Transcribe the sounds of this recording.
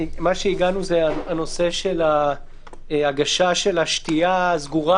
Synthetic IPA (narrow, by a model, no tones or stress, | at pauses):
maʃeiɡanuzeaano̞se̞ʃe̞la | aɡaʃaʃe̞laʃtiazɡuʁa